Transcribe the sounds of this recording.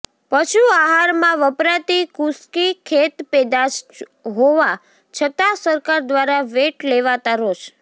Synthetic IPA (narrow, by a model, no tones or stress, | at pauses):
pəʃuaɦaɾmãʋəpɾat̪ikuskikʰet̪pɛd̪at͡ʃ | ɦoʋa | t͡ʃʰət̪asəɾkaɾd̪ʋaɾaʋeʈleʋat̪aɾoʃ